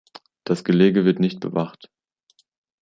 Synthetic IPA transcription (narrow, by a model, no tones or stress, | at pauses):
d̥asɡ̥əleːɡəvɪɐtnɪçt̚b̥ə̰vaχt